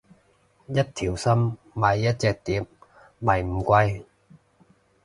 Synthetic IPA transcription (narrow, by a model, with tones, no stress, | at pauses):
jɐ˥t̚t̪ʰiː˨˩wsɐ˥mː | aː˨˧jːɐ˥t̚t͡sɛː˨k̚t̪iː˨˥p̚ | mɐ˨˩jm̩˨˩kʷɐ˧j